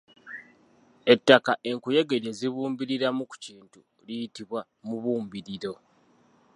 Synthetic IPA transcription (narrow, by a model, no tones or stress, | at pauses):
e̞tːakaʔe̞ŋkuje̞ɡe̞ɾje̞ziβuːmbiɾiɾamuku̥ciːntu | lijitiβwa | muβuːmbiɾiɾo̞